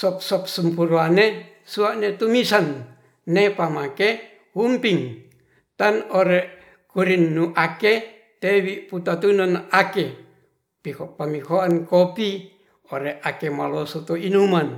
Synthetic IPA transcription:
sɔp̚sɔp̚səmpuɾuane | suaʔnet̪umisanː | epamake | humpiŋ | t̪anoɾeʔ | kuɾinːuʔake | t̪ewiʔput̪at̪unanake | pikoʔpamikoankopi | oɾeakemalosot̪oinuman

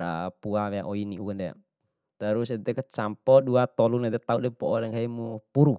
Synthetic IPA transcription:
ɾa̰puawea̰ʔɔiniukandɛ̰ | t̪aɾusɛt̪ɛkət͡ʃampɔduat̪ɔlunɛd̪ɛt̪audɛpɔʔɔlɛŋkaimupuɾu

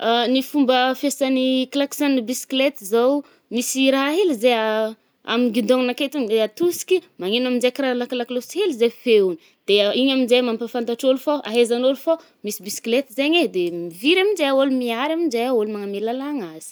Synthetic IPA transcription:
anifumbəfesaniklaksanibisi̥klet̪izaw | misiɾaɦaɦelizea | a̰miɡid̪oŋnaket̪uŋd̪eat̪usi̥kʲimaŋenaminzekiɾalaklakloshelizefeuni | d̪̥eiɲaminzejmampafant̪aʈ͡ʂolufaa̰ɦezanolufa | misibisi̥klet̪izeɲed̪emiviɾaminzeaolumiaɾaminzejaolumaŋamelalaŋazi̥

